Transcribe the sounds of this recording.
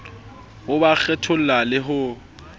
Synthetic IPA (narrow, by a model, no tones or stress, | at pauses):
ʊbak͡xʰɛtʰʊl̩lalɪɦʊ